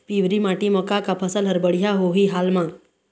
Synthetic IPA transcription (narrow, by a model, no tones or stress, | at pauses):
piːwɾimaːʈimɔkakapʰəsəlɦəɾbəɽijaɦoɦiɦaːlmãː